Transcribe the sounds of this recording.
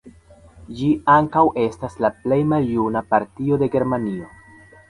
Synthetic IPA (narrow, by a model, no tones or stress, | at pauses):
d͡ʒiaŋkawʔe̞staslaple̞jmaljunapaɾtio̞de̞ɡe̞ɾmanio̞